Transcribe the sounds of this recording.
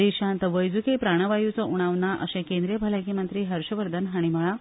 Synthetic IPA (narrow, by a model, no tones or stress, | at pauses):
iɕãnt̪ʋəjd͡zukepɾaɽ̃əʋajut͡səʔuɽ̃aʋnaʔə̰ɕẽkẽnd̪ɾijəbʱəlakimənt̪ɾiːɦəɾɕəʋəɾd̪ʱənɦaɽ̃iməɭa